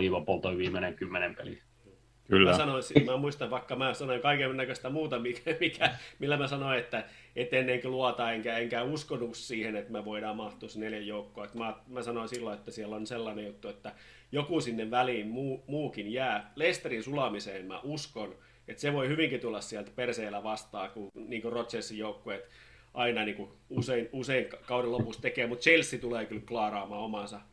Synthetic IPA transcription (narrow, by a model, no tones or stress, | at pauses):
iʋɑpolt̪oiʋiːmeneŋkymːenempḛlḭ | kylːmæsɑnonsimæmuist̪ɑʋʋɑikːɑmæsɑnoiŋkɑikenːækøst̪æmuːt̪ɑmikæmikʰæmilːæmæsɑnoiet̪ːæ | et̪ːenːeŋkiluɑt̪ɑːeŋkæeŋkæuskonːukssiːhenet̪mæʋoiɾɑːmɑht̪usneljæjjoukːoːet̪mɑːt̪mæsɑnoinsilːoet̪ːæsiælːonselːɑnejut̪ːuet̪ːæ | jokusinːeʋʋæliːnmuːmuːkinjæːlest̪erinsulɑmiseːnmæ̰ʔuskon | et̪seʋoihyʋiŋkit̪ulːɑssiælt̪perseːlæʋɑst̪ɑːkuniːŋkorot̪sesːijoukːoet̪ | ʔɑinɑniːŋkuuseinuseiŋkkɑuɾelopust̪t̪ekeːmut̪t͡ʃelsːit̪uleːkylklɑːrɑːmɑːomɑsɑ